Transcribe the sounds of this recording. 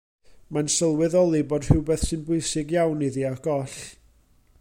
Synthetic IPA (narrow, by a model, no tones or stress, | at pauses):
mansəlˠwɛðɔlˠiboːd̥hɪwbɛθsɨnbʊjsɪɡjawniðiaɡ̥ɔɬ